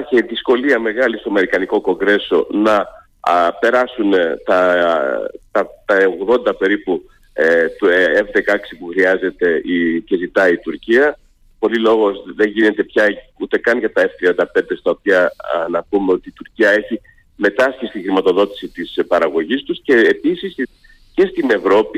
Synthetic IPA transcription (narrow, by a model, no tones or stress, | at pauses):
ɐçeðisko̞liɐme̞ɣɐlist̪oɐme̞ɾikɐniko̞ko̞ŋɡɾe̞so̞nɐ | pe̞ɾɐsunt̪ɐ | t̪ɐt̪ɐoɣðo̞nd̪ɐpe̞ɾipu | t̪uevðe̞kɐɐksipuxɾiɐze̞t̪e̞ice̞zit̪ɐit̪uɾciɐ | po̞lilo̞ɣo̞zðe̞nʝine̞t̪e̞pçɐ | ut̪e̞kɐnʝɐt̪ɐeft̪ɾiɐnd̪ɐpe̞nd̪e̞st̪ɐo̞t̪iɐnɐpume̞o̞t̪iːt̪uɾciɐe̞çi | me̞t̪ɐscisi̥t̪ixɾimɐt̪o̞ðo̞t̪i̥sit̪ispɐɾɐɣo̞ʝist̪usceːpisis | ce̞st̪ine̞vɾo̞pi